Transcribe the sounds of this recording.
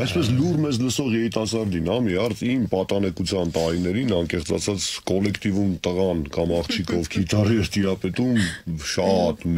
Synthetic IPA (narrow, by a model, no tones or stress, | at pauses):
ɛspɛslurmɛzləsɔʁjɛɾit̪ɑsɑɾd̪inhɑmiɑɾt͡sʰimpɑt̪ɑnɛkut͡sʰjɑnt̪ɑɾinɛɾinɑŋkɛχt͡sʰɑ̰t͡sʰɑt͡skɔlɛkʰt̪ivumt̪əʁɑnkɑmɑχt͡ʃʰikʰɔvkʰit̪ʰɑriɛɾt̪iɾɑpɛt̪umʃɑt̪m